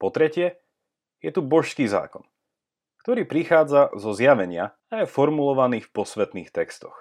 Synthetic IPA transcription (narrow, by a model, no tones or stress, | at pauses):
pɔt̪ɾɛcɪɛ | jɛt̪ubɔʃskiːza̰ːkɔn | kt̪ɔɾiːpɾixaːd͡zazɔzjaʋɛɲɪa̰ | ajɛfɔɾmulɔʋaniːfpɔsʋɛt̪nḭːxt̪ɛkst̪ɔ̥x